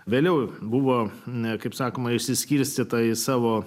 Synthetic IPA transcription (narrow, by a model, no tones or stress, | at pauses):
ʋʲeːlʲɛʊbʊʋoːkɐɪpsɑːkoːmɐɪʃʲsʲɪsʲkʲiɾʲsʲt̪ʲiːt̪ɐɪsɑːʋoː